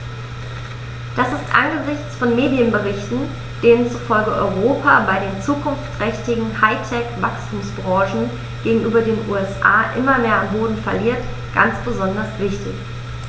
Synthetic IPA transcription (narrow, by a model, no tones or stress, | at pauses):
d̥asɪstʔa̰nɡəzɪçt͡sfɔnmeːdjənbəʁɪçtn̩ | d̥eːnənt͡suːfɔlɡəʔɔ̰ʏʁoːpʰabaɪɾeːnt͡suːkʰʊnft͡sʁ̥ɛçtɪɡŋ̩haɪtʰɛkv̥akstʰuːmsb̥ʁɑ̃ːʃn̩ | ɡ̥eːɡŋ̩ʔyːbɐdeːnʔṵːɛsʔa̰ːʔɪmɐmeːɐanboːdn̩fɛɐliːɐt | ɡ̥a̰nt͡sb̥əzɔndɐsv̥ɪçtʰɪ̰ç